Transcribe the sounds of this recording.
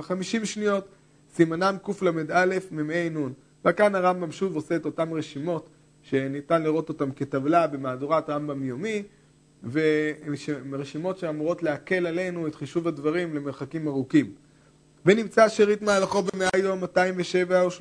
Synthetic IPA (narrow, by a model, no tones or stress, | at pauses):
χamiʃimʃnijo̞t | simanamkuflamed̪ale̞fmimenun | vakanhaʁambamʃuvo̞se̞ːto̞tamʁeʃimo̞t | ʃe̞nitanliʁo̞to̞tamketavlabe̞maːduʁatʁambamjomi | veʃeʁeʃimo̞tʃeamuʁo̞tleake̞lale̞nuetχiʃuvadvaʁimle̞meʁχakimaʁukim | venimt͡saʃeʁitmaalaχo̞bemeajomːataimveʃe̞vaoʃ